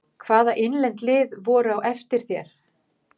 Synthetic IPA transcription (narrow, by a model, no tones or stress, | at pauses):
kʰvaːðaʔejnlɛnt̪lɪːðvɔːɾʏawʔɛft̪ɪɾ̥θjɛ̰ɾ̥